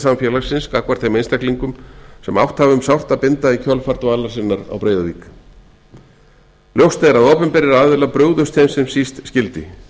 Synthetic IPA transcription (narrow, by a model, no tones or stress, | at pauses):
samfjɛlaɾsɪnskakvaɾ̥t̪ʰejmejnst̪ɛkliŋkʏmsɛma̰wht̪havʏmsawr̥t̪apɪnt̪aicʰœlfaɾt̪vaːlasɪnːaɾa̰wpɾeːjðavḭːk | ljowst̪eɾaðoːpʏmpɛɾɪɾaaːðvɪlapɾœːɣðʏst̪ʰejmsɛmsist̪scɪlt̪ɪ